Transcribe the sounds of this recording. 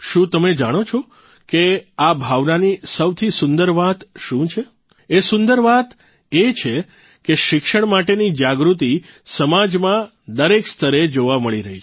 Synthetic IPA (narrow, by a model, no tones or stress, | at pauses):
ʃũt̪əmed͡ʒaɽ̃ot͡ʃʰɔ | keabʱaʋnanisəwt̪ʰisʊnd̪əɾʋat̪ʃũt͡ʃʰe | esʊ̃nd̪əɾʋat̪ | et͡ʃʰe | keʃɪkʃəɳmaʈenid͡ʒaɡɾut̪̬isəmad͡ʒmã | d̪əɾekst̪ʰəɾed͡ʒoʋaməɭiɾəɦit͡ʃʰ